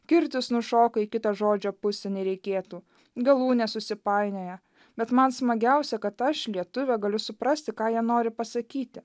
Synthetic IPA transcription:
kʲɪɾʲt̪ʲɪsnʊʃoːkɐɪkʲɪt̪ɐʒoːd͡ʒʲoːpʊsʲɛnʲɛɾʲɛɪkʲeːt̪uː | ɡɐlˠuːnʲɛsʊsʲɪpɑɪnʲoːjɛ | b̥ʲɛt̪mɐnsmɐɡʲɛʊsʲɛkɐt̪ɐʃlʲiɛt̪ʊʋʲɛɡɐlʲʊsʊpɾɐsʲt̪ʲɪkɑːjiɛnoːɾʲɪpɐsɐkʲiːt̪ʲɪ

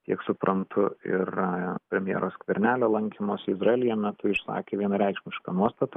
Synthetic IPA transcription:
t̪ʲiɛksʊpɾʔɐnt̪ʰʊɪ̰rpʲɾʲɛmʲjḭːɾʔoːskʋʲɛɾʲnʲæːlʲoːlˠɐŋʲkʲimoːsʲɪzrɐeːlʲɪjɛmʲɛt̪ʊɪʃsɑ̰ːkʲeːʋʲiɛnɐɾʲɛɪkʃʲmʲɪʃkɐnuɔst̪ɐt̪ɐ

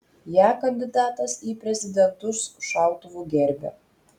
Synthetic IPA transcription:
jæːkɐnʲd̪ʲɪd̪ɑːt̪ɐsiːpʲɾʲɛzʲɪd̪ʲɛnt̪ʊsʃɑʊt̪ʊʋuːɡʲɛɾʲbʲɛ̰

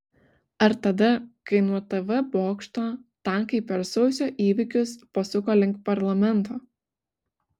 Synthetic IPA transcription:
ɐɾt̪ɐd̪ɐkɐɪnuɔt̪ɛʋɛboːkʃt̪oːt̪ɑnkɐɪpʲːɛɾsɐʊsʲoːʔiːʋʲɪkʲʊspɐsʊkoːlʲɪŋk̚t̪pɐɾlˠɐmʲɛnˑt̪oː

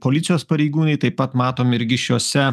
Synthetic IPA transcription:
poːlʲɪt̪sʲɪjoːspɐɾʲɛɪɡuːnɐɪt̪ɐɪpːɐt̪mɑːt̪oːmʲɪɾʲɡʲɪʃʲjuːsʲɛ

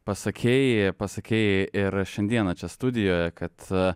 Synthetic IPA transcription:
pɐsɐkʲʰeːjɪpɐsɐkʲeːjɪɪɾʃʲɛnʲd̪ʲiɛnɐt͡ʃʲɛst̪ʊd̪ʲɪjoːjɛkɐt̪

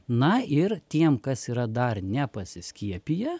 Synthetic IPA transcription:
nɐɪɾt̪ʲiɛmkɐsiːɾɐd̪ɐrnʲɛpɐsʲɪsʲkʲiɛpʲijɛ

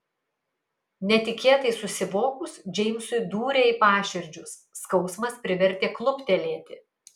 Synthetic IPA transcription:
nʲɛt̪ʲɪkʲeːt̪ɐɪsʊsʲɪʋoːkʊsd͡ʒʲɛɪmʲsʊɪd̪uːɾʲeːɪpɑːʃʲɪɾʲd͡ʒʲʊsːkɒʊsmɐspʲɾʲɪʋʲɛɾʲt̪ʲeːklˠʊpt̪ʲɛlʲeːt̪ʲɪ

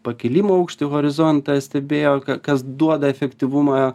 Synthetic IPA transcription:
pɐkʲɪlʲimoːɐʊkʃʲt̪ʲɪɣoːɾʲɪzont̪ɐsʲt̪ʲɛbʲeːjoːkɐkɐsd̪uɔd̪ɐɛfʲɛkt̪ʲiʋumɑ

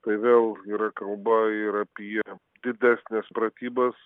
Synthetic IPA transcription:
t̪ɐɪʋʲeːlˠiːɾɐkɐlˠbɐɪɾɐpʲiɛ | d̪ʲɪd̪ʲæːsʲnʲɛspɾɐt̪ʲiːbɐs

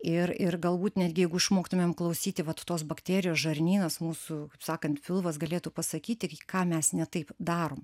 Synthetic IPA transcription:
ɪrɪrɡɐlˠbuːt̪nʲæːd̪ʲɡʲɪjɛɪɡʊɪʃmoːkt̪ʊmʲeːmklˠɐʊsʲiːt̪ʲɪʋɐt̪t̪oːsbɐkt̪ʲæːɾʲɪjoːsʒɐɾʲnʲiːnɐsmuːsʊkɐɪpsɑːkɐnt̪fʲɪlˠʋɐsɡɐlʲeːt̪uːpɐsɐkʲiːt̪ʲɪkɑːmʲɛsnʲɛt̪ɐɪpd̪ɑːɾoːm

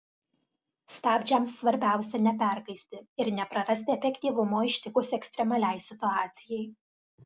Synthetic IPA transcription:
st̪ɑːbʲd͡ʒʲɛmsːʋɐɾʲbʲæˑʊsʲɛnʲɛpʲæɾɡɐɪsʲt̪ʲɪɪɾnʲɛpɾɐɾɐsʲt̪ʲɪɛfʲɛkʲt̪ʲiːʋʊmoːɪʃʲt̪ʲɪkʊsɛksʲt̪ʲɾʲɛmɐlʲɛɪsʲɪt̪ʊɑːt̪sʲɪjɛɪ

